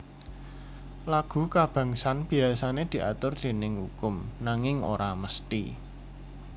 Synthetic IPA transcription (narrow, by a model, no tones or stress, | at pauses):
laɡ̥ṳkab̥ä̤ŋsanb̥i̤asaned̪̥i̤ʔa̰t̪ʊrd̪̥e̤nɪŋhukʊmnaŋɪŋo̰ɾaməst̪ḭ